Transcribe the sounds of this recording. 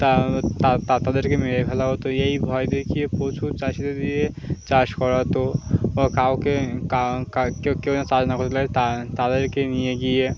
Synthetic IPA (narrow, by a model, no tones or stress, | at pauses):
t̪at̪at̪at̪ad̪əɾkemeɾekʰɛlaɦot̪ojɐɦibʱɔjd̪ekʰijepoːt͡ʃʰut͡ʃaʃit̪ed̪ie | t͡ʃaʃkɔɾat̪oɔkaokekakakekenat͡ʃaːd͡ʒnakɔɾt̪lat̪at̪ad̪əɾkenijeɡie